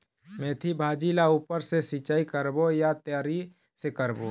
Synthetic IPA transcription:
mẽːt̪ʰibʱaːd͡ʒilauːpəɾsesit͡ʃaːikəɾbojat̪jaːɾi | sekəɾbo̰

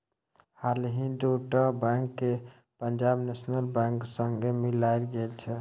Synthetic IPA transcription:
halɦĩnd̪uʈəbãŋkːe | pənd͡ʒabnesnəlbãŋksəŋɡemilajlɡelt͡ʃʰɛ

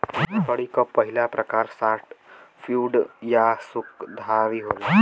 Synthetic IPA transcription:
t̪əɽikəpːəɦilapɾəkaɾsaʈfuɖjasukd̪ʱaʋiːɦola

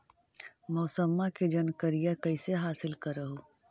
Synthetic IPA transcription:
mɔːsəmːaked͡ʒɐnkəɾijakɐɪseɦaːsɪlkəɾəɦo

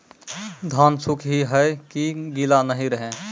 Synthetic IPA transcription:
d̪ʱaːnsʊkʰɦiɦəkiɡilanəɦĩɾəɦẽ

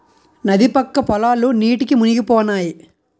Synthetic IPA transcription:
nɐd̪ipɐkːɐpɔlaːluniːʈikimuniɡipɔːnaːji

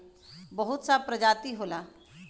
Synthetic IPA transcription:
bɐɦʊt̪sapɾɐd͡ʒaːt̪iɦoːlaː

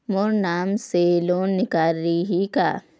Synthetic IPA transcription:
moːɾnaːmseloːnnːɪkaːlːiɦika̰ː

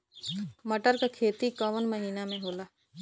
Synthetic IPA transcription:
mɐʈəɾkakʰeːt̪ikɔʋənmɐɦiːnamẽɦoːlaː

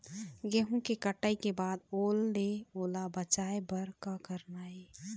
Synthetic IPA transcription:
ɡeɦũkekəʈaːikebaːd̪oːlːeoːlabət͡ʃaːebəɾkakəɾnaːeː

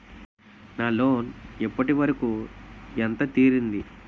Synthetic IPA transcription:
naːlo̞ːnipːɐʈiʋɐɾɐkuːent̪ɐt̪iːɾind̪i

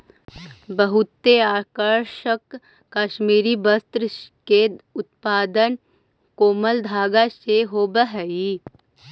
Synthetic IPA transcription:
bəɦʊt̪ːeaːkəɾʃəkː | aːʃmiːɾibəst̪ɾəkeʊt̪̚paːd̪ən | koːməld̪ʱaːɡaseɦoːbəɦəi

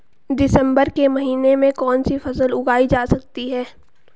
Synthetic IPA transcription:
d̪ɪsə̃mbəɾkemɐɦiːnemẽkɔːnsifɐsəlʊɡaːid͡ʒaːsɐk̚t̪iɦɛː

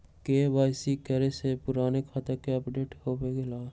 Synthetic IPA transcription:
kebaːɪsikəɾesepʊɾaːnekxət̪əkeəpɖeːʈhobeɡelaː

